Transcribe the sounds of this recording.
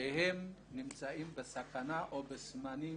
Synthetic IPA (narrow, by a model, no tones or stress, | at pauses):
ehɛmnimt͡saimbəsakanaʔobəsmani